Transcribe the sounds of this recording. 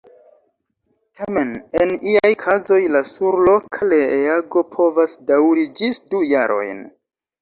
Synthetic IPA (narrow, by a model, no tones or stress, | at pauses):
tʰame̞ne̞niajkʰazo̞jlasuɾlo̞kʰaleeaɡo̞pʰo̞vasdawɾid͡ʒis̚duja̰ɾʔo̞̰jn